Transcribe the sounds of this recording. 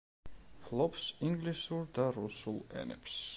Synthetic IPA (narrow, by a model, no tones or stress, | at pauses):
flˠɔpsiŋɡlisuɾd̪aɾusulˠɛ̰nɛ̰ps